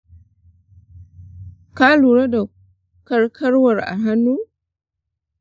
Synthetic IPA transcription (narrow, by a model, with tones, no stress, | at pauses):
ka˦lu˨ɾa˦da˨ | kɐ˦ɾkʰɐ˦ɾwa˨ɾa̰˨ɦa˦nːu˦